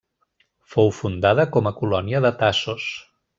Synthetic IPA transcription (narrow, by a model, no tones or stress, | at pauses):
fowfund̪aðəkɔməkulɔniəðət̪asos